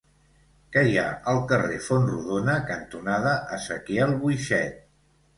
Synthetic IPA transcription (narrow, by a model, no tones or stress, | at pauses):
kəja̰əlˠkərefonruðonəkənt̪unaðəʔəsəkeɛlˠβujʃɛt̪̚